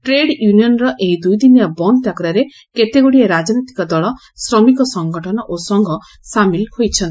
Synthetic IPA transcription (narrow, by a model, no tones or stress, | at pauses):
ʈɾeɽjuniɔnɾɔʔeɦid̪ujd̪inijabɔnt̪akɔɾaɾe | ket̪eɡoɽieɾad͡ʒnit̪i̥kɔd̪ɔɭɔ | sɾɔmikɔsɔŋɡɔʈʰɔnɔʔosɔŋɡʱɔ | samilhojt͡ʃʰɔnt̪